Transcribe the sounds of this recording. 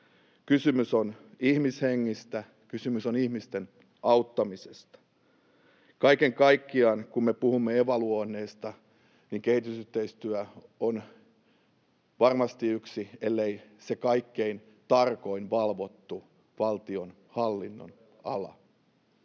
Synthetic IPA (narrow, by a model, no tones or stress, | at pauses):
kysymysonihmisheŋːist̪æ | kysymysonihmist̪en | ʔɑut̪ːɑmisest̪ɑ̥ | kɑikeŋkɑikːiɑnkummepuhumːeeʋɑluonːeːst̪ɑ | niŋkehit̪ysyht̪eist̪yæon | ʋɑrmɑst̪iyksielːeisekɑikːein | t̪ɑrko̞inʋɑlʋot̪ːu | ʋɑlt̪ion | hɑlːinːo̰n | ɑ̰lɑ̰